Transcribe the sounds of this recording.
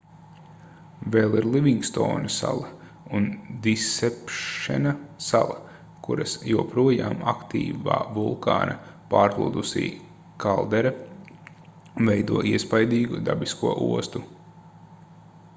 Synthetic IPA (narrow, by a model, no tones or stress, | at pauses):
veːlˠiɾlˠiʋiŋɡst̪o̰ːnɐsa̰lˠɐ | und̪isɛpʃɛ̰nasalˠɐ | kuɾɐ̰sjuɔpɾuɔjaːmakt̪ḭːva̰ːvulˠka̰ːna̰paːɾklˠṵːd̪usḭː | kalˠd̪ɛɾa | vɛjd̪uɔʔiɛspajd̪iːɡud̪a̰biskuɔʔṵɔst̪u